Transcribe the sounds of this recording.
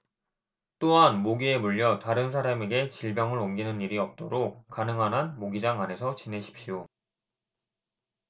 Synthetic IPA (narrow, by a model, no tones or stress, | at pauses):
t͈oɦanmoɡie̞muʎːʌtaɾɯns̬ʰaɾame̞ɡe̞t͡ɕiɭbjʌŋɯɾomɡinɯniɾiʌp̚t͈oɾok̚k͈anɯŋɦanɦanmoɡid͡ʑaŋanɦe̞sʰʌt͡ɕine̞ɕʰi̥p̚ɕ͈io